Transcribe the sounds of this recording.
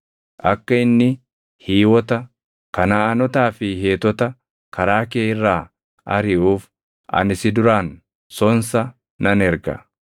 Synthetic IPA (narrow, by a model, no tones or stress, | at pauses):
ʔɐkːɐɪnːɪ | hiːwɔt̪ɐ | kɐnaːɐnɔt̪aːfɪɦeːt̪ɔt̪ɐ | kɐɾaːkeːɪrːaː | ʔɐ̰ɾɪʔuːf | ʔɐ̰nɪsɪd̪ʊɾaːn | sɔnsɐ | nɐnɛɾɡɐ̰